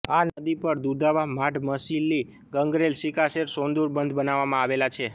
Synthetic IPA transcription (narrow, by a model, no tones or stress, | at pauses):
anəd̪ipəɾd̪ud̪aʋam̤aʈməsilːi | ɡəŋɡɾelʃikaseɾsond̪uɾbənd̪ʱbənaʋamãaʋelat͡ʃʰe